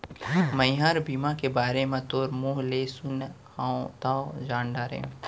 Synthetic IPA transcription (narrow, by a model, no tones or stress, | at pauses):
mə̃jɦaɾbiːmakebaːɾemẽt̪oːɾmuːɦlesʊn | hãõt̪ad͡ʒãːɳɖaːɾḛ̃ː